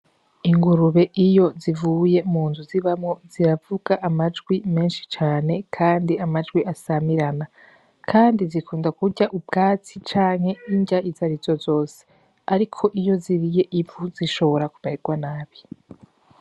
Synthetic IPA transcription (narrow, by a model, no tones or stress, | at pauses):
iŋɡuɾuβe̞ʔijo̞zivuːje̞muːnduziβamŋo̞z̥iɾavuɡaʔamad͡ʒɡwime̞ːnʃi̥t͡ʃaːne̞kʰaːndiamad͡ʒɡwiʔasamiɾana | kʰaːndizikʰuːndakuɟaʔubɡaːt͡sit͡ʃaːŋ̥he̞iɲɟaʔizaɾizo̞zo̞ːse̥ | aɾikʰo̞ʔijo̞ziɾije̞ʔivuziʃo̞βo̞ɾakumeɾeɡwanaːβi